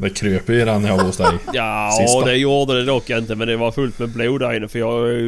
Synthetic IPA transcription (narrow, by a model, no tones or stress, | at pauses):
d̪ɛkʰɾøːpəjəɾanːahʊsd̪ɛɪjɑsɪd̪ɛjuːɾd̪əd̪ɛd̪ɔkːjɑɪnt̪əmɛnd̪ɛʋɑɾfʉlt̪mɛbleːd̪æɾɪnːəfœjɑː